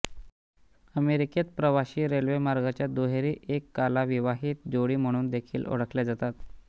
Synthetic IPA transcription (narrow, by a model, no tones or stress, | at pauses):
əmeɾiket͡spɾəʋaɕiːɾelʋemaɾɡat͡ɕjad̪oɦeɾiːʔekːalaʋiʋaɦiːt̪̚d͡zoɽiːm̤əɽ̃uːnd̪ekʰiːlo̰ɽəklad͡zat̪at̪